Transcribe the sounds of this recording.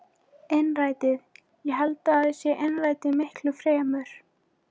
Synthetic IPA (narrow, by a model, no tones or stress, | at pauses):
enraːjt̪ɪð | jɛɦalt̪aːðɪsjɛʔɛjnraːjt̪ɪmɪhklʏfɾɛːmʏɾ̥